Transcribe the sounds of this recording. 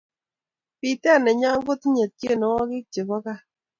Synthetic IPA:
pi˨ta˦˨nɛ˨ɲa˦ɡʊ˦t̪ɲa˨t̚je˦˨nɔ˨wɔ˦ɡɪ˦k̚t͡ʃe˨bɔ˦ka˦

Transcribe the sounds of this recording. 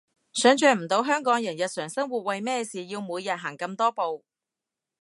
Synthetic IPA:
sœː˨˥ŋt͡ʃœː˧m̩˨˩t̪o˨˧wɦœː˥ŋkɔː˨˥ŋjɐ˨˩njɐ˨t̚sœː˨˩ŋsɐ˥ŋwu˨t̚wɐ˨jmɛː˥siː˨jiː˧wmuː˨˧jːɐ˨t̚ɦaː˨˩ŋkɐ˧mt̪ɔː˥po˨w

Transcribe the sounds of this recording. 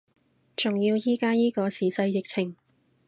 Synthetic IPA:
t͡sʊ˨˩ŋjiː˧wjiː˥kaː˥jiː˥kɔː˧siː˨˩sɐ˧jjɪ˨k̚t͡sʰɪ˨˩ŋ

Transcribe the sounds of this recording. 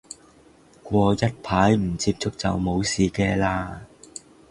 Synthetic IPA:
kʷɔː˧jɐ˥t̚pʰaː˨˥jm̩˨˩t͡siː˧p̚t͡sʊ˥k̚t͡sɐ˨wmo˨˧wsiː˨kɛː˧laː˧

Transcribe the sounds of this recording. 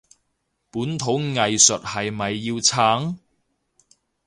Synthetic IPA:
puː˨˥nt̪ʰo˨˥wŋɐ˨jsɵ˨t̚hɐ˨jmɐ˨jːiː˧wt͡sʰaː˨˥ŋ

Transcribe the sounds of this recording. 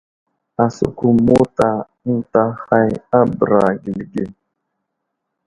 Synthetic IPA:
a˨sṵ˨ku˨mo˦ta˨ | n̩˦ta˦ha˦ja˦bɾa˨ɡi˨lɡe˨

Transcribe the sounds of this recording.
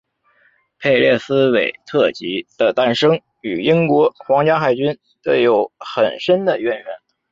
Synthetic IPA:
pʰe˥˧ɪljɛ˥˩sɹ̩˥we˨˩ɪt̪ʰɤ˥˩t͡ɕi˧˥d̪̥ə˧t̪a˥˧nʂɤ˥ŋ | y˨˩i˥ŋkwɔ˧˥xwɑ˧˥ŋt͡ɕja˥xa˥˩ɪt͡ɕy˥n | t̪ə˥˩jo˧˩˥ʊxə̰˨˩nʂə˥nd̪ə˨ɥɛ˧˩nɥɛ˧˥n

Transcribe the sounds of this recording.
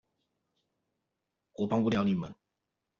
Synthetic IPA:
kwɔ˨˥pɑ˥ŋu˥˧ljɑ˥˩ʊni˨˩mə̰˨˦n

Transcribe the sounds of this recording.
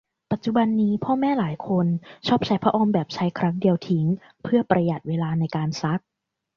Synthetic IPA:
pa˨˩t̪̚t͡ɕu˨ba˧nːiː˦˥pʰɔː˥˩mɛː˥˩laː˩˦jkʰo˧nt͡ɕʰɔː˥˩p̚t͡ɕʰa˦˥jpʰɾa˦ʔoː˧mbɛː˨˩p̚t͡ɕʰa˦˥jkʰɾa˦˥ŋdi˧əwt̪ʰi˦ŋ | pʰɯ˥˩ɐpɾa˧ja˨˩t̪̚weː˧laː˧na˧jkaː˧nsa˦˥k̚

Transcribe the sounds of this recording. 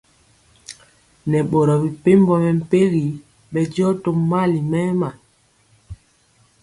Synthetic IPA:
nɛ˨ɓo˨ɾɔ˨bi˨pe˦m˦bɔ˦mɛ˨m̩˨pe˦ɣi˨ | ɓɛ˨d͡ʒɔ˦to˦mma˦li˨mɛ˦ma˨

